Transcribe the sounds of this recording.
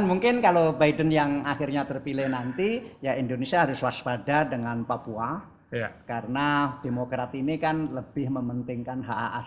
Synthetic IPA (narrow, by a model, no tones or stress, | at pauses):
nmuŋkɪnkalobajdənjaŋaxɪrɲat̪ərpilɪhnant̪ijaindonesiaɦaɾʊswaspadadəŋanpapua | kaɾənad̥emokɾat̪inikanləb̥ɪhməmənt̪ɪŋkanɦaʔaʔas